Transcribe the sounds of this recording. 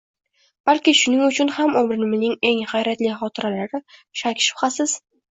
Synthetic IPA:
b̥alkʲɪʃʊnɪŋʊt͡ʃʰʊnhamomɾɪnɪmɪznɪŋe̞ŋhajɾat̪lɪχɒt̪ʰɪɾalaɾɪʃakʲʰʃɪ̥pχasɪz̥

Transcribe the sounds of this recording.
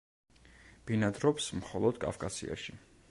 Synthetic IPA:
b̥inad̪ɾɔpsmχɔlˠɔd̪kʼa̰fkʼasḭa̰ʃi

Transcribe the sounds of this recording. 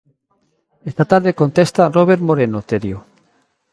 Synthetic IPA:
est̪at̪aɾðekont̪est̪aroβeɾmoɾenot̪eɾjo

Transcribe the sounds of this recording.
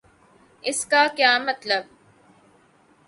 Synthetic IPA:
ʔɪskaːkjaːmɐt̪lɐb̚

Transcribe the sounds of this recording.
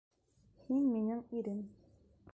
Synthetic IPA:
hinminɘŋiɾɘm

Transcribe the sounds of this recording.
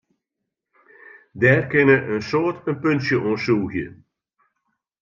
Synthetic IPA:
dɛːrkɪnəʔənsoːətənpønsjəʔoːsuːɣjə̰

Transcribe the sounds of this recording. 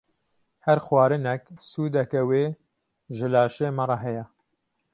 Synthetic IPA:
hɛɾxwɑːɾɨnɛksuːd̪ɛkæweː | ʒɨlaːʃeːmɐrˤɑɦɛjɛ

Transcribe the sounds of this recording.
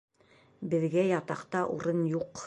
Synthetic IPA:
bɘ̆ðɡæjɑt̪ɑqt̪ɑʔṵɾɤnjuq

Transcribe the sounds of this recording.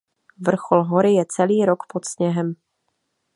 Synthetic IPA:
vr̩xolɦo̞ɾɪjɛt͡sɛliːɾo̞kpot̪sɲɛɦɛm

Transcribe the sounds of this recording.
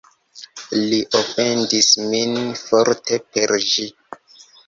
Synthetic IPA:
liʔofendisminfoɾte̞pe̞ɾʒi

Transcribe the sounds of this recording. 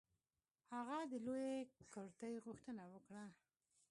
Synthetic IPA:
haɣad̪əlojekəɾt̪əjɣʊxt̪ənawəkɽa

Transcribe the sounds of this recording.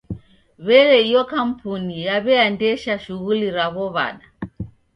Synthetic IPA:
βɛɾɛijɔkam̩punijaβɛandɛʃaʃuɣuliɾaβɔβa̰ɗa

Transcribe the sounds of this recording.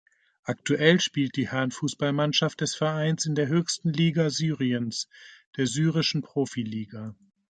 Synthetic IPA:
ʔaktuʔɛlʃpiːlt̚d̥iːhɛɐnfuːsb̥almanʃaft̚d̥ɛsfɛɐʔaɪnsɪndeːɐɦøːçstn̩liːɡazyːʁiənsd̥eːɐzyːʁ̞ɪʃn̩pʁ̥oːfiliːɡa

